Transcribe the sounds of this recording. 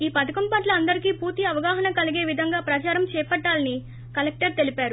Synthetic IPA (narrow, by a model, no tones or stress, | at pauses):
iːpɐt̪ɐkɐmpaːʈlɐɐnd̪ɐɾikiːpuːɾt̪iɐʋɐɡaːɦɐnɐkɐliɡe̞ːʋid̪ʱɐŋɡaːpɾɐt͡ʃaːɾɐmt͡ʃɛːpɐʈːaːlɐni | kɐlek̚ʈɐɾt̪e̞lipaːɾu